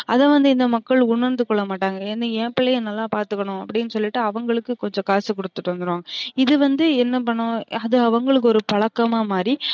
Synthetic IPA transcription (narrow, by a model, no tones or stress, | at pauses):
ɐðɐ̃ːʋɐnd̪ɯɪnd̪ɐmɐkːɐɭʊɳɐɾnd̪ɯkːɔɭːɐmaːʈːaːŋɡɐɛnɯẽːpɪɭɐjɐnɐlːaːpaːɾt̪ɯkːɐɳʊ̃ɐpːɐɽɪnːɯsɔlːɪʈːɯɐʋɐŋɡɐɭɯkːɯkɔɲd͡ʒɔ̃kaːsɯkɔɽɯt̪ːɯʈːʋɐnd̪ɯɾʋaːŋɡɐɪðɯʋɐnd̪ɯɛnːɐpɐɳːʊ̃ɐðɯɐʋɐŋɡɐɭɯk̬ːɯɔɾɯpɐɭɐkːɐmaːmaːɾi